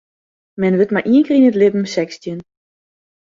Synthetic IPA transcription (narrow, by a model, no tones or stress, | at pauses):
mɛnʋətmaʔiəŋkərinətlɪbm̩sɛkstjən